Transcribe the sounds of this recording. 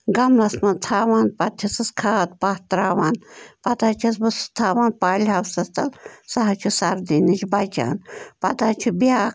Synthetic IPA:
ɡɐmlɐsmɐnt̪ʰaːʋaːnpɐt̪ʰːɐsɨskʰaːt̪̚paht̪ɾaːʋaːnpɐt̪aːt͡ʃʰɐsbɨst̪ʰaːʋaːnpaːlʲɦɐwsɐst̪ɐlsaɦɐt͡ʃʰusɐɾd̪iːnit͡ʃʲbɐt͡ʃa̰ːnpɐt̪aːt͡ʃʰubʲaː

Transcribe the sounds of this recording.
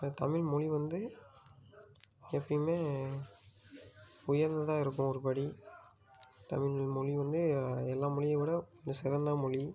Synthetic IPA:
t̪ɐmɪɭmɔɻiʋɐnd̪ɯ | ɛpːɐjmeː | ʊjɐɾnd̪ɐðaːɪɾɯk̬ːɯ̃mɔɾɯpɐɽi | t̪ɐ̰mɪɭlmɔɭiʋɐnd̪ɯɛlːaːmɔɭɪjɐɪʋɪɽɐndɐsɪɾɐnd̪aːmɔɭi

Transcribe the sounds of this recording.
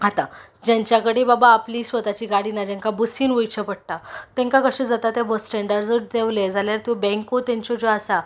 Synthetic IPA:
ɦat̪a | d͡ʑaɲt͡ɕjakəɽebabaːpliːsʋət̪at͡ɕiːɡaɽiːnad͡ʑãŋkabəsiːnʋəjt͡ɕʰəpəɽ̚ʈ̪at̪ɛ̃ŋkakəɕẽd͡zat̪at̪jabəsʈɛɳɖəɾd͡zəɾd̪eʋled͡zaljaɾt̪ɔ̃bɛ̃ŋkot̪jãɲt͡ɕɔd͡zoasa

